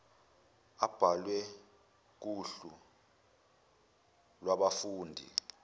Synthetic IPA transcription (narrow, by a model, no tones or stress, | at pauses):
ab̥ʱalwɛ | k̬uɬu | lwaɓafuːndʱḭ